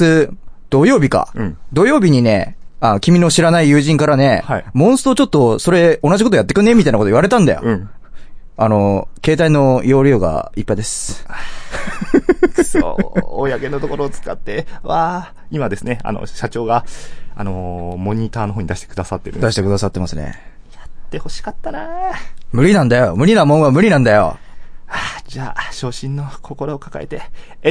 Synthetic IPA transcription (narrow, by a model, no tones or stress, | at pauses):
ɨd̪̥o̞jo̞ːbʲikã̰d̪o̞jo̞ːbʲiɲ̟ine̞anokʲimʲino̞ɕiɾanaijɯ̟ːʑĩŋkaɾane̞haimõɰ̃sɨ̥t̪o̞t͡ɕo̞t̪ːo̞so̞ɾe̞o̞nad͡ʑʑikot̪ojat̪ːe̞kɯ̟ne̞mʲit̪ainakot̪oiβaɾe̞t̪ãnd̪a̰jõ | ano̞ke̞ːt̪aino̞jo̞ːɾʲjo̞ːɡa̰ipːaid̪e̞s | so̰o̰jake̞not̪oko̞ɾoːt͡sɨ̥ka̰t̪ːe̞βaː | imad̪e̞sɨne̞a̰no̰ɕat͡ɕo̞ːɡaanomo̞ɲ̟it̪aːnoɦoːɲ̟id̪aɕi̥t̪ekɯ̟d̪asat̪ːe̞ɾ̟d̪aɕi̥t̪e̞kɯ̟d̪asat̪ːe̞masɨne̞̰ | jat̪ːe̞ho̞ɕi̥kat̪ːanamɯ̟ɾʲinãnd̪ajo̞mɯ̟ɾʲinamõ̞ɰ̃amɯ̟ɾʲinãnd̪ajo̞̰ad͡ʑaːɕo̞ːɕĩnːo̞kʰo̞ko̞ɾo̞ːkaka̰ḛt̪e̞